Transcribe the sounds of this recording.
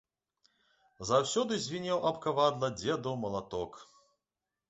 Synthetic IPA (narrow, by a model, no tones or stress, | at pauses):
zawsʲɔd̪ɨzʲvʲinʲɛwʔɐpkavad̪lˠɐd͡zʲɛd̪ɐwmɐlˠat̪ɔk